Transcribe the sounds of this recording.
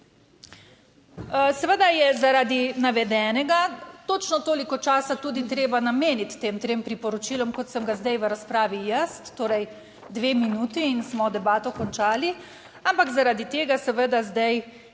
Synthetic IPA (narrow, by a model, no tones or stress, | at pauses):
sɛʋəd̪ajɛzaɾad̪inaʋɛd̪ɛːnɛɡat̪oːt͡ʃnɔt̪oːlikɔt͡ʃaːsat̪uːd̪it̪ɾeːbanameːnit̪ːeːmt̪ɾeːmpɾipɔɾɔt͡ʃiːlɔmkɔt̪səmɡazd̪ajʋəɾaspɾaːʋijəst̪ːoːɾɛj | d̪ʋeːminuːt̪iːnsmɔd̪ɛbaːt̪ɔkɔnt͡ʃaːli | ampakzaɾad̪it̪eːɡasɛʋəd̪azd̪aj